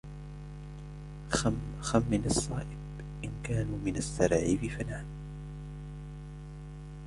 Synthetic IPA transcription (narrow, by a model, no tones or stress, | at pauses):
amxamːɪlɑsˤːɑːʔɪb | ʔɪnkaːnuːmɪnasːɑɾˤʕɪfifanaːn